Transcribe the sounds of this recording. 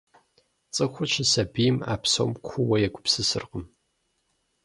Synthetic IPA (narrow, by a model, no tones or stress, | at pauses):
t͡sʼɨxʷʊt͡ʃʰɪsɐbijɪma̰ːpso̰ːmkʷʰʊwɐjɛɡʷʰʼʊpsɨsɨ̰rqəm